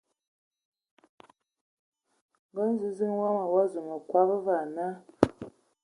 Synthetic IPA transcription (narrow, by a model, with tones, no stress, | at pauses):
ŋɡɔ˦n˦zi˨zi˦ŋ˦wa˦ma˨wa˦zu˨ŋɔ˨kwa˦bə˦va˨na˦